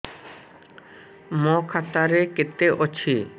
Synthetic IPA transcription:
mɔkʰat̪aɾeket̪eʔot͡ɕʰi

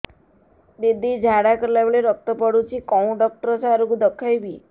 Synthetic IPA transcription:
d̪id̪ʱid͡ʒʱaɽakɔɾlabeɭeɾɔk̚t̪ɔpɔɽut͡ʃʰikɔw̃ɖɔk̚ʈɔɾɔsaɾukud̪ɔkʰːajbi

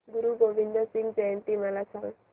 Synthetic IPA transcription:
ɡuɾuɡoʋind̪ɔsiŋɡd͡ʒajənt̪imalat͡sʰal

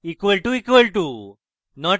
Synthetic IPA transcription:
ikʋəlʈuikʋəlʈu | nɔʈ

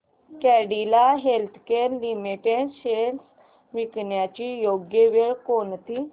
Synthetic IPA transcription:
kɛɽilaɦelt̪ʰkeːɾlimiʈeɖɕeɽs | ʋikɳjat͡ɕijoɡjəʋeɭkont̪i

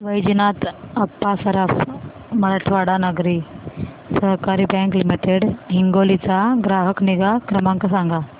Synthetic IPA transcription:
ʋəjd͡ʑnat̪əpːasəɾaf | məɾəʈʰʋaɽanəɡɾi | səɦkaɾibɛ̃ŋklimiʈeɽɦiŋɡolit͡saɡɾaɦəkniɡakɾəmãŋkasãŋɡa

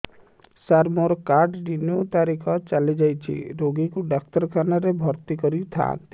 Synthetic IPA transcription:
saɾmoɾɔkaɾʈɖiniot̪aɾikʰɔt͡ʃalid͡ʒajt͡ʃʰḭɾoɡikuɖak̚t̪ɔɾkʰanaɾebʱɔɾt̪ikɔɾit̪ʰa̰

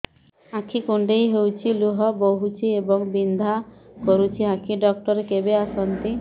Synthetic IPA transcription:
ãkʰikuɳɖejɦewt͡ʃʰiluɦɔboɦut͡ɕʰiebɔŋbind̪ʱakoɾut͡ʃʰiɦãkʰiɖɔk̚ʈɔɾekebeasɔnt̪i

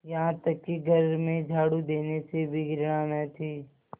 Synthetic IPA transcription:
jɐɦãt̪ɐkːiɡʱɐɾmẽd͡ʒʱaːɽud̪eːnesebʱiɡɪɾɽaːnat̪ʰiː

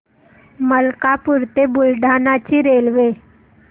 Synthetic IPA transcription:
məlkapuɾt̪ebulɖʱanat͡ɕiːɾelʋe

